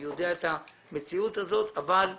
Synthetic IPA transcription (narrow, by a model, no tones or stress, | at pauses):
jo̞d̪e̞aet̪a | me̞t͡siut̪hazo̞t̪aval